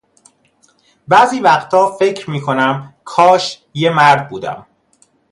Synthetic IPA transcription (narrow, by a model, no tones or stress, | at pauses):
bæːziːvæxt̪ʰɒːfe̞cʰɾmiːkʰo̞næmkʰɒːʃ | jemæɾd̪̚buːd̪æ̰m